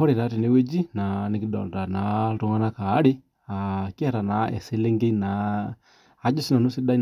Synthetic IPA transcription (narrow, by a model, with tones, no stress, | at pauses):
ɔ˦ɾi˨ɾa˨˦ɾi˨ne˦we˦d͡ʒi˦na˨ni˨ki˦ɗɔ̰˨nda˨na˨ɾu˦ŋa˦na˦ka˨˦ɾe˦ | a˨ki˦a˦˨ɾa˨na˨ɛ̰˨se˦le˦ŋɡe˦i˦naː˨˦ | d͡ʒɔ˦si˦na˨nu˦si˦ɗa˦i˦